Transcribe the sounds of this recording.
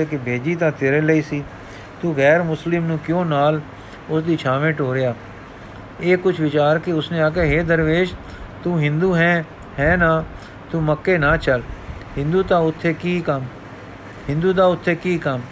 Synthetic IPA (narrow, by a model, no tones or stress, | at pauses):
eːkɪbʱeːd͡ʒiːt̪ãːt̪eːɾeːləiːsiː | t̪ũːɣɛːɾmʊslɪmnũːkjõːnaːl | ʊsd̪iːt͡ʃʰaːʋẽːʈoːɾɪjaː | eːkʊt͡ʃʰʋɪt͡ʃaːɾkɪʊsnẽːaːkeːɦeːd̪əɾʋeːd͡ʒ | t̪ũːɦɪ̃nd̪uːɦɛ̃ː | hɛːnaː | t̪ũːməkːeːnaːt͡ʃəlhɪ̃nd̪uːt̪ãːʊt̪ʰːeːkiːkəm | hɪ̃nd̪uːd̪aːʊt̪ʰːeːkiːkəm